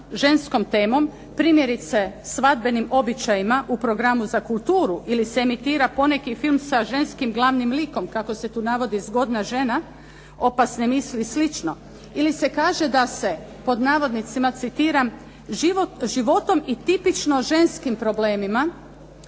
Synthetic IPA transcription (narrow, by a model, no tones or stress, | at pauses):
ʒe̞nsko̞mt̪e̞ːmo̞m | pɾiːmje̞ɾit̪se̞sʋad̪̚be̞nimo̞bit͡ʃajimaʔupɾo̞ɡɾamuzakulˠt̪uːɾuʔiliseːmit̪iːɾapo̞ne̞kifilmsaʒe̞nskimɡlˠaʋnimliko̞mkako̞se̞t̪uːnaʋo̞d̪izɡo̞d̪naʒe̞na | o̞pasnemislislit͡ʃno̞ | ilise̞kaːʒe̞d̪ase̞ | po̞d̪naːʋo̞d̪nit̪simat̪sit̪iːɾam | ʒiʋoʒiʋo̞t̪o̞mit̪ipit͡ʃno̞ʒe̞nskimpɾo̞ble̞ːmima